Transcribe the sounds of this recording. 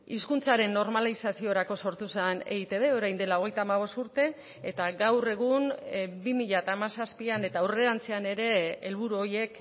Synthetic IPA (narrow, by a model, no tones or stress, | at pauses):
iskunt͡saɾe̞nːo̞ɾmalisasioɾako̞so̞ɾt̪usane̞̰ɣit̪e̞ðe̞o̞ɾajnd̪e̞lao̞ɣ̞e̞jt̪aːmaβ̞o̞st̪uɾt̪e̞ː | t̪aɡawre̞ɣ̞unbimiʎat̪aːmasaspiane̞t̪awre̞ɾant͡seane̞ɾe̞ːlβuɾuo̞je̞k